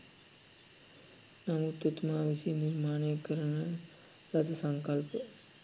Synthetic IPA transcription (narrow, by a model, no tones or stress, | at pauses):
nɐmut̪ːut̪maːʋisijɐniɾmaːnɐjɐkːɐɾɐnɐ | ɾɐt̪ɐsɐŋkɐlpə